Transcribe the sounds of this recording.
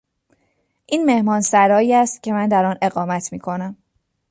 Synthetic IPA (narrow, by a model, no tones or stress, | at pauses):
ʔiːnme̞hmɒːnsæɾɒːiːæst̪̚cʰe̞mænd̪æɾɒːne̞ɣɒːmæt̪ʰmiːkʰo̞næm